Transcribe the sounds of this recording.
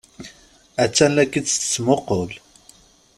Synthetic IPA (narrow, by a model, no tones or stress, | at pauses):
æt͡sːænːækːi̥t͡sːmoqol